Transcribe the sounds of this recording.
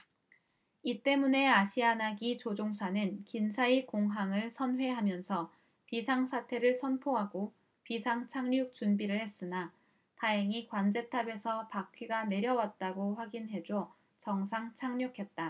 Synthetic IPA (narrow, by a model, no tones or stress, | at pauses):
it͈e̞mune̞aɕʰianaɡit͡ɕod͡ʑoŋsʰanɯnkinsʰaikoŋɦaŋɯɭsʰʌnɦwe̞ɦamjʌnsʰʌ | pisʰaŋsʰatʰe̞ɾɯɭsʰʌnpʰoɦaɡo | pisʰaŋt͡ɕʰaŋɲuk̚t͡ɕunbiɾɯɭhe̞s͈ɯna | taɦeŋikwand͡ʑe̞tʰabe̞sʰʌpakʰɥiɡane̞ɾjʌwat̚t͈aɡoɸwaɡinɦe̞d͡ʑo | t͡ɕʌŋsʰaŋt͡ɕʰaŋɲukʰe̞t̚t͈a